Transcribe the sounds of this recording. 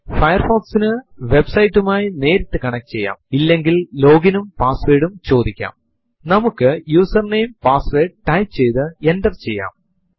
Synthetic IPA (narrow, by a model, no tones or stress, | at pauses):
fɐjɐrfoːksinɨʋe̞bsɐjʈːumaːjine̞ːɾit̪ːɨkɐɳɐk̚ːt͡ɕe̞jːa̰ːmilːe̞ŋɡillo̞ːɡinumpaːsʋeːɽumt͡ɕo̞ːd̪ikʲːa̰ːm | nɐmukːɨjuːsɐrnejmpaːsʋe̞ːɖʈɐjpt͡ɕe̞jt̪ɨenɖɐrt͡ɕe̞̰jːa̰ːm